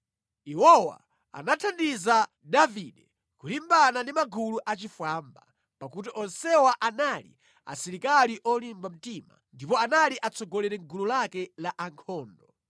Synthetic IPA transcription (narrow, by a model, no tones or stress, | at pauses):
iwɔwa̰ | a̰natʰandiza | daviɗɛ | kulimbanandimaɡuluʔat͡ʃifwaːmba̰ | pakut̬iʔɔnsɛwaʔanalḭ | a̰siɾikaliʔɔlimbam̩tima̰ndipɔanaliʔat͡sɔɡɔlɛɾɛŋɡululakɛlaʔaŋkʰɔːndɔ